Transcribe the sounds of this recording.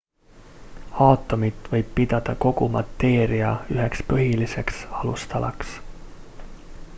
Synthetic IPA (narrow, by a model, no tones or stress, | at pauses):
ɑːt̪ːo̞mit̪ʋɤ̞jbːit̪ɑt̪ɑko̞kumɑt̪ːe̞ːɾiɑyɦe̞kspyɦilːise̞ksɑlust̪ɑlɑ̰ks